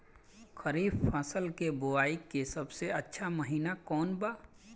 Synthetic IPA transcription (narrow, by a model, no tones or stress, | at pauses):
xəɾiːfpaːsəlkebʊaːikːesɐbseɐtːʃʰaməɦiːnakɔːnbaː